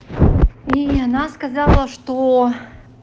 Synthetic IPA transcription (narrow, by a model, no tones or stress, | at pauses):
ianaskɐzɑlˠəʂt̪o